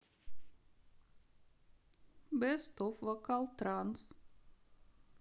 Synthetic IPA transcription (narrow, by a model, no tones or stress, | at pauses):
bɛst̪ɔfʋakalˠt̪ːɾans